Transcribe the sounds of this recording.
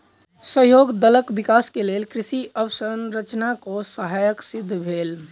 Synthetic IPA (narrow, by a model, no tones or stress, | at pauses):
səɦjoɡd̪ələkbikaskelelkɾisiʔəʋəsənɾət͡ʃnakosəɦajəksid̪ʱːbʱel